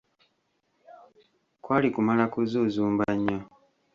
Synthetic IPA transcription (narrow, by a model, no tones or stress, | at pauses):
kwaːlikumalakuzuzuːmbaɲːo